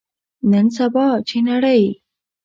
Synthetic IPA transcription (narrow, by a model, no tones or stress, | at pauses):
nənsabɑt͡ɕʰinaɽəj